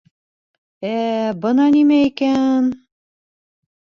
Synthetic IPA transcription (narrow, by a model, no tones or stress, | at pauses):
æbɤ̆nɑnimæikæn